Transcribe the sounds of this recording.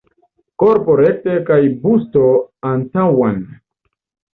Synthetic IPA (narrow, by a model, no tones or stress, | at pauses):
koɾpoɾek̚tekajbustoantawan